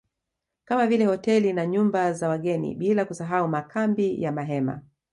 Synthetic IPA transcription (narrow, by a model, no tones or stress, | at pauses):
kamavilɛhɔtɛlinaɲumbazawaɠɛnḭɓilakusaɦaumakʰambijamaɦɛma̰